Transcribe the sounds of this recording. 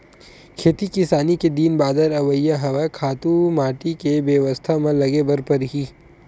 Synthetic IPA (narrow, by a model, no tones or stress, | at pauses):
kʰeːt̪ikɪsaːniked̪iːnbaːd̪əɾɐʋəjːaɦɐʋakʰaːt̪ũmaːʈikebeʋəst̪ʰamẽlɐɡebɐɾpɐɾɦiː